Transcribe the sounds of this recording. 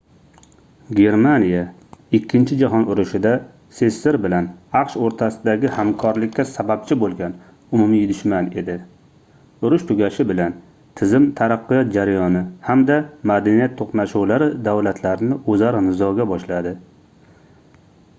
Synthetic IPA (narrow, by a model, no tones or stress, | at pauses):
ɡʲe̞ɾmanija | ɪkʲʰːɪnt͡ʃʰɪd͡ʒaɦɒnʊɾʊʃɪd̪a | se̞sːɪɾbɪlanɑqʃoɾt̪ʰasɪd̪aɡʲɪhamkʰɒɾlɪkʲːasabap̚t͡ʃʰɪbolˠɡʲan | ʊmʊmijd̪ʊʃmane̞d̪ɪ | ʊɾʊʃt̪ʰʊɡʲaʃɪbɪlan | t̪ʰɪzɪmt̪ʰaɾaqːɨjɒt̪̚d͡ʒaɾajɒnɪhamd̪amad̪anijat̪ʰːoqnaʃuwlaɾɪd̪awlat̪ʰlaɾɪnɪʔozaɾɪnɪzɒɡʲabɒʃlad̪ɪ